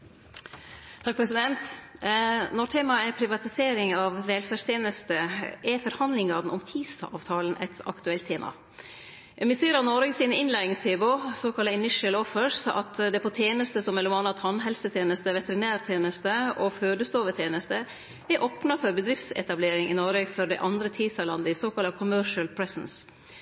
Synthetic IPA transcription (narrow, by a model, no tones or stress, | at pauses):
t̪ʰɑk̚pʰɾɛsɪd̪ɛnt̪ | nɔʈ̪ʰeːmɑəɛpʰɾɪʋɑt̪ɪseːɾɪŋɑʋʋɛlfæʂst̪ʰeːnəst̪əʔɛfɔɾhɑnd̪lɪŋɑɾn̩ɔmt̪ʰiːd̪sɑ̰ːʋt̪ʰɑːln̩ʔɛ̰t̪ʰɑ̰kt̪ʉɛlt̪ʰːeːmʔɑ̰ | mɪsiːɾɑnɔɾɡəsiːnəɪnlæɪɪŋst̪ʰeːbosoːkʰɑlɑɪnɪʂəlɔfəɾsɑ̰t̪d̪ɛpʰɔt̪ʰjeːnəst̪əsɔmːɛlːʊmɑnɑt̪hɑnɦɛlsət̪ʰjeːnəst̪əʋɛt̪əɾɪnæːɾt̪ʰeːnəst̪əɔføːd̪əst̪oːʋət̪ʰjeːnəst̪ə | ɛɾʔoːpnɑfɔɾbəd̪ɾɪft̪sɛ̰t̪ɑbleːɾɪŋɪnɔɾəɡfɔɾɖɛ̰ɪʔɑnd̪ɾət̪ʰiːsɑlɑ̰nd̪əɪsoːkɑlɑkʰʊmœɾʂəlpʰɹɛsəns